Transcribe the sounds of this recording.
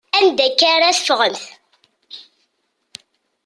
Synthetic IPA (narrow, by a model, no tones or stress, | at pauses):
ænd̪ækːaɾaθə̥fʁəmθ